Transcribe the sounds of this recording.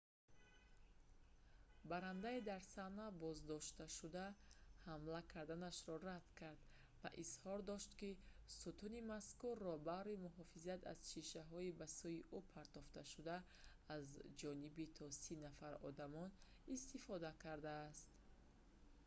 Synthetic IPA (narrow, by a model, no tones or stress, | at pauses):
baɾand̪aid̪aɾsanabɔzd̪ɔʃt̪aʃud̪ahamlakʰaɾd̪anaʃɾɔrad̪̥kʰaɾd̪ | va̰ʔizhɔɾd̪ɔʃt̪kisut̪unimaskurːɔbaɾimuɦɔfizat̪ʰa̰z̥ʃiʃaɦɔibasujiʔupʰaɾt̪ɔft̪ʰaʃud̪aː | zd͡ʒɔnibit̪ʰɔsinafaɾɔ̰d̪amɔn | ist̪ifɔd̪akʰaɾd̪aːst̪